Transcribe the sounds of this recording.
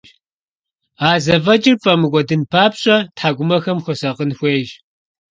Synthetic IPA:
aːzɐvɐd͡ʒʼɪrfʼɐmɨɡʷʼɔdɨnpʰaːpɕʼɐtħaːɡʷʊmɐxɐmxʷʊsɐqənxʷeːʒ

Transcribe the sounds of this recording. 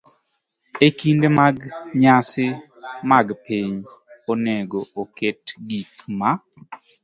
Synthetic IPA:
ekindemaɡɲasɪ | maɡpiɲoneɡooketɡikma

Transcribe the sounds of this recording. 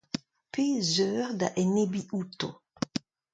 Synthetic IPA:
pʰeːzœːʁd̪a̰ʔɛnebiʔut̪o

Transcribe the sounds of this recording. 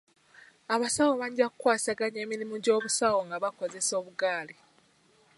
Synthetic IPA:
aβasawoβaɲɟaku̥kːwaːsaɡaɲeːmiɾimuɟo̞ːβusawoŋɡaβako̞ze̞so̞ːβuɡaːli

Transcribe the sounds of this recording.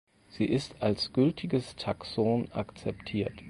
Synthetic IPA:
z̥iːʔɪstalsɡ̥ʏltʰɪɡəstʰaksoːnʔa̰kt͡sɛptʰiːɐt

